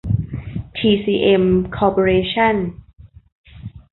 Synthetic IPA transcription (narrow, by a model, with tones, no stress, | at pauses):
t̪ʰiː˧siː˧ʔe˧mkʰɔː˧po˧ɾeː˧t͡ɕʰa˥˩n